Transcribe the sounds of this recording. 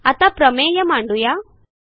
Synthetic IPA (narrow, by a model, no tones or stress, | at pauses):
ɐt̪apɾɐmeːjɐmaːɳɖuja